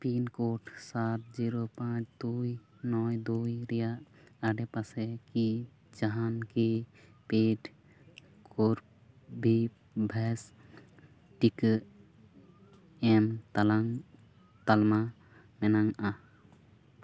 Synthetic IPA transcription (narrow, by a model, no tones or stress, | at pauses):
pinkoʈsaʈ̚d͡ʒiɾopãt͡ʃʰd̪uj | nɔjd̪ujɾɛjaʔaɖɛpasɛki | d͡ʒaɦanki | peʈ | kʰoɾ | bʱi | bʱɛs | ʈik | ɛmt̪alaŋ | t̪alma | mɛnaŋa